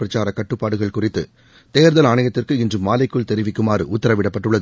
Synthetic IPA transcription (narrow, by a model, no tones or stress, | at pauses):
pɾɐt͡ʃaːɾɐkɐʈːɯpːaːɽɯɣɐɭkʊrɪt̪ːɯ | t̪eːɾðɐlaːɳɐjɐt̪ːɪrkɯɪndrɯmːaːlɪkːɯɭt̪ɛɾɪʋɪkːɯmaːɾɯ̰ʔʊt̪ːɐɾɐʋɪɽɐpːɐʈːɯɭːɐð